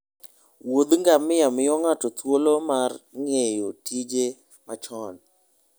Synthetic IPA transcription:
wod̪ŋɡamɪjamɪjɔŋatɔt̪wolomarŋejotid͡ʒe | mat͡ʃɔn

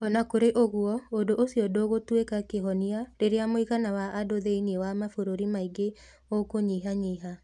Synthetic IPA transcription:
ɔnakoɾeʔoɣuɔodoʔosijɔdoɣotwekakeɦɔniaɾeɾeamoiɣanawaʔadoðeiniewamafoɾoɾimaiɡe | okoɲiɦaɲeɦa

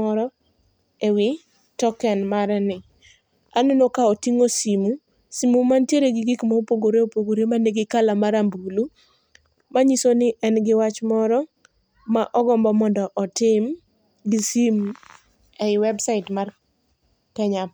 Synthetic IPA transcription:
ɔɾɔ | ewɪ | tɔkɛnmaɾɛnɪ | anenokaotiŋosimu | simumantjeɾeɡɪɡikmaopoɡoɾeopoɡoɾemaneɡɪkalamaɾambulu | maɲisonɪʔɛnɡɪwat͡ʃmɔɾɔ | maʔɔɡɔmbɔmɔndɔʔɔtɪm | ɡisim | ɛɪwɛbsaɪtmar | kɛɲa

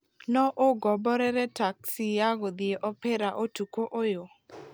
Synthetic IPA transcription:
nɔʔoɡɔbɔɾɛɾɛtaksijaɡod̪ieʔɔpɛɾaʔotukoʔojo

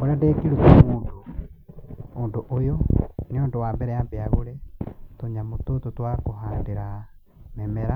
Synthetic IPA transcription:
oɾadekiɾukamuːndo | oːndoʔojoneoːndowaːmbɛɾɛaːmbeaɣoɾɛtoɲamotototwakoɦaːndeɾa | mɛmɛɾa

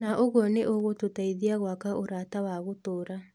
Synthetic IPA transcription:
naʔoɣwɔneʔoɣototaiðiaɣwakaʔoɾatawaɣotoːɾa

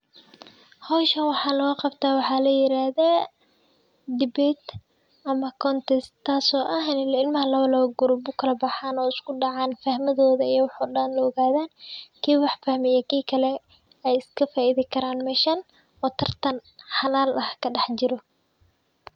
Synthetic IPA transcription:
hɔːʃɐwɑħɑːlɐɣɐqɑbt̪ʰaːwɑħɑːlɐjɪɾaːða | d̪ɪbɛt̪ | ʔɐmɐkʰɔnt̪ɛstt̪ʰːaːsɔːʔɐɦnɪlɐɪlmɐɦɐlɐlɔɡʊɾʊbʊkʰɐlɐbɑħaːnɔːɪskʰʊɖɑʕɑːnfɐhmɐðɔːðɐijɐwħɔːɖɐnlɔːɣaːðaːnkʰiːwɑħfɐhmɛjɛkʰiːkʰɐlɛ | ɛjɪskʰɐfaːɪðɪkʰɐɾaːnmɛːʃɐn | ɔːt̪ʰɐrt̪ʰɐnħɑlaːlʔɐhkʰɐɗɑħt͡ʃɪɾɔ

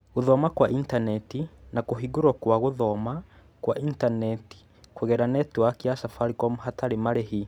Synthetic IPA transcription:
ɣoðɔmakwaʔintanɛtinakoɦiɡoɾɔkwaɣoðɔma | kwaintanɛti̥ | kwoɣɛɾanɛtwakeasafaɾikɔmɦataɾemaɾeɦi

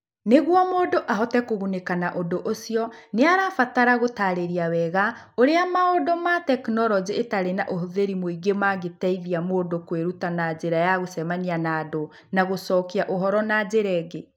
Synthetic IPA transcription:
neɣwɔmoːdoʔaɦɔtɛkoɣunekanaʔondoʔosiɔneaɾafataɾaɣotaɾeɾiawɛɣaoɾeamaodɔmatɛknɔɾɔd͡ʑietaɾenaʔoɦoðeɾimoiɡemaɡetɛiðiamoːdokweɾutanad͡ʑeɾajaɣosɛmanianaːdo | naɣosɔːkiaʔoɦɔɾɔnad͡ʑeɾɛːɡe

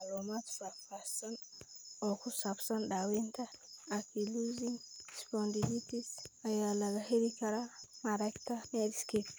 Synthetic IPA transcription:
alomatfapasɔnɔkusapsanɗawent̪aakʰiluziŋispɔndiditisajalaɡaheɾikaɾamaɾakt̪aneɾiskep

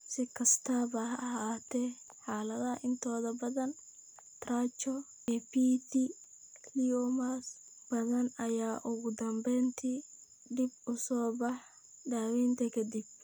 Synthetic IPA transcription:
sɪkʰɐst̪ʰaːβɐhɐɐɦaːt̪ʰɛ | ħaːlɐðɐʔɪnt̪ʰɔːðɐbɐðɐn | t̪ɾaːt͡ʃɔ | ɛpiːt̪ʰi | kʰliɔmas | b̥ɐðɐnɐjaːʔʊɣʊd̪ɐmbɛjnt̪ʰiː | ɖ̪ɪb̚ʊsɔːbɑħ | d̪aːwiːnt̪ʰɐkʰɐd̪ib̚

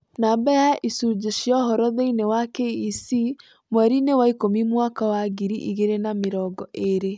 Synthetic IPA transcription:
nambɛjaʔisud͡ʑeʃjɔɦɔɾɔðeinewakeisi | mwɛɾinewaikomimwakawaɣiɾiʔiɣeɾenameɾɔːɡɔʔeɾe

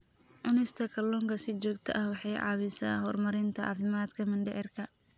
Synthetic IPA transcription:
ʔʊnɪst̪ʰɐkʰɐlɔŋkɐsɪt͡ʃɔːɡt̪ʰɐʔɐhwɑħɑjʕɑ̰ːβɪsa̰ːɦɔːrmɐɾɪnt̪ʰɐʔɑ̰ːfɪmaːd̪kʰɐmɪnɖɛʕɪrkʰɐ

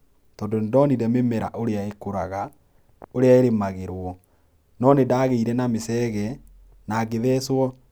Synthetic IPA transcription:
tɔːndondɔniɾɛmemɛɾa̰ʔoɾeaekoɾaɣa | oɾeaeɾemaɣeɾwɔ | nɔnedaːɣeiɾɛnamesɛɣɛ | naːɡeðɛːswɔ

